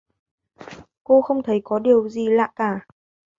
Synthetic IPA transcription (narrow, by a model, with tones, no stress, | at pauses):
ko˧xə˧wŋ͡mt̪ʰə˨˦jkɔ˨˦ɗi˨˩əwzi˨˩la̰ː˧˨jkaː˧˩